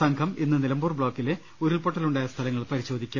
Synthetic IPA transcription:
sɐŋɡʰʱɐminːɨnilɐmbuːrbɭoːkːile | uɾiɭpoʈːɐluɳɖaːjɐst̪ʰɐlɐŋːɐɭpɐɾiɕo̞ːd̪ʱikʲːum

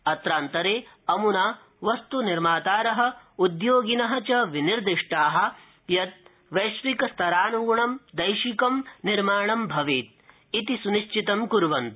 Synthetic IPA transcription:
ɐt̪ɾaːnt̪ɐɾeː | ɐmunaː | ʋɐst̪uniɾmaːt̪aːɾɐɦɐ̆ud̪joːɡinɐɦɐ̆t͡ʃɐʋiniɾd̪iʂʈaːɦɐ̆ | jɐt̪̚ | ʋɐjʃʋikɐst̪ʰɐɾaːnuɡɳɐmd̪ɐjʃikɐmniɾmaːɳɐmbʱɐʋiːt̪̚ | it̪isuniʃt͡ʃit̪ɐmkuɾʋɐnt̪

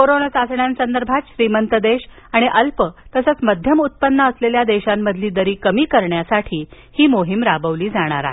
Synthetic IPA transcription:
koɾonəsasɳjãnsənd̪əɾbʱat̪ɕɾiːmənt̪əd̪eɕ | aɽ̃iʔəlpət̪əsət͡sməd̪ʱjəmut̪̚pənːəːsleljad̪eɕamːəd̪ʱliːd̪əɾiːkəmiːkəɾɳjasaʈʰiː | hiːmoɦimɾabəʋliːd͡zaɽ̃a̰ɾa̰ɦe

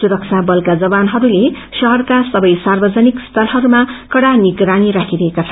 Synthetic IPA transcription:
suɾʌk̚sʰabʌlkad͡zʌbanɦʌɾule | ʃʌɦʌrkasʌbʌjsarbʌd͡zʌnikst̪ʰʌlɦʌɾumakʌɽaniɡɾaniɾakʰiɾʌɦekat͡sʰʌ

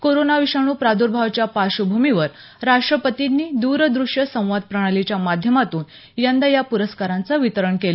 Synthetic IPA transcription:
koɾonaʋiʂaɽ̃uːpɾad̪uɾbʱaʋt͡ɕjapaɕubʱumiʋəɾ | ɾaʂʈɾəpət̪inːiːd̪uɾd̪ɾuʂjəsə̃w̃ʋad̪̚pɾəɽ̃alit͡ɕjamad̪ʱjəmat̪uːn | jand̪ajapuɾəskaɾant͡səʋit̪əɾəɳkel

